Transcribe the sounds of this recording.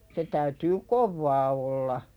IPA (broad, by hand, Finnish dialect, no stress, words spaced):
se tæytyː koʋːɑː olːɑ